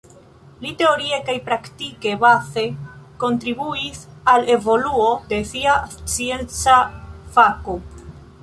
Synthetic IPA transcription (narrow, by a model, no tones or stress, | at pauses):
lite̞o̞ɾie̞kajpɾaktike̞base̞ko̞ntɾibuisale̞vo̞luo̞de̞siat͡sie̞nt͡safako